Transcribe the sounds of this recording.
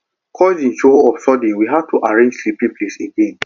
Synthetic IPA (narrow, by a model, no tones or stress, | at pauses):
kʰɔzĩnʃoɔfsɔdĩwiɦav̚tʰuʔaɹẽnd͡ʒsliplĩpleseɡẽn